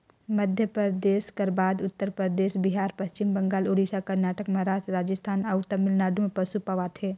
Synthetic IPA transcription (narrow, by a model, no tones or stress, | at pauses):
məd̪ʱjəpəd̪eːʃkɐɾbaːd̪ʊt̪ːəɾpɾəd̪eːʃbɪɦaːɾpɐst͡ʃɪmbɐ̃ŋɡaːloːɽiːsakɐɾnaːʈəkmɐɦɾaːd͡ʒɾaːd͡ʒəst̪ʰaːnɐʊt̪əmɪlnaːɖũmẽpɐsupəʋaːt̪ʰeː